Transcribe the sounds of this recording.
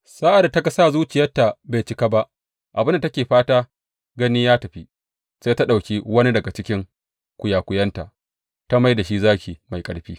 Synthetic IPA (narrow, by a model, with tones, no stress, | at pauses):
sa˦ʔa˨da˨tɐ˦ka˨saː˦˨zuː˦t͡ʃɪ˨jɐ˦tːa˨beː˨t͡ʃɪ˦ka˦ba˦ʔ | ʔa˨bɪ˦nda˨tɐ˦kʲeː˨ɸaː˦taː˦ | ɡɐ˦niː˦jaː˦tɐ˨ɸi˦ | seː˦ta˦ɗa˨wkʲiː˦wɐ˦ni˦dɐ˨ɡa˨t͡ʃɪ˦kʲɪ˦ŋ | kʷʊ˨jaː˨kʷʊ˨˦jɐ˦nta̰˨ | ta˦ma˦jda˨ʃi˦zaː˦kʲiː˨ma˨jkʼɐ˨ɽɸiː˦